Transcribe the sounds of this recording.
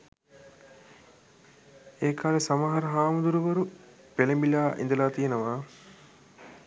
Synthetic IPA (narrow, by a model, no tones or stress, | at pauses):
eːkʰaːlesamaɦaɾɐɦaːmud̪uɾuʋəɾu | pelembilaːʔḭnd̪əlaːt̪ijenəʋaː